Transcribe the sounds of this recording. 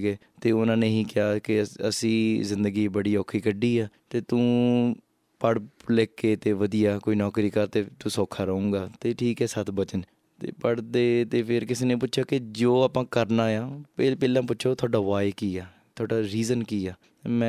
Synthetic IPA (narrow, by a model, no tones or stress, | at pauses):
ɡeː | t̪eːʊnãːneːɦĩːkɪaːkɪəsĩːzɪnd̪əɡiːbəɽiːoːkʰiːkəɖiːɛːt̪eːt̪ũː | pəɽleːkːeːt̪eːʋəd̪ijaːkoːiːnɔːkɾiːkəɾt̪eːt̪ũːsoːkʰːaːɾəũːɡaːt̪eːʈʰiːkɛːsət̪ʰbət͡ʃən | t̪ḛːpəɽd̪eːt̪eːpʰɪɾkɪseːnẽːpʊtːʃʰjaːkɪd͡ʒoːaːpãːkəɾnaːjãːpeːpeːlãːp̬ʊtːʃʰoːt̪ʰʊaːɖaːʋaːekiːaː | t̪ʰʊaːɖaːɾiːzənkiːaː | emɛ̃